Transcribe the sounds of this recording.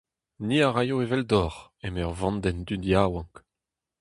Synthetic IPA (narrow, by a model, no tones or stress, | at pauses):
niaʁajoevɛld̪ɔʁɛmɛʁvɑ̃nd̪ɛnd̪yd̪jawɑ̃ŋk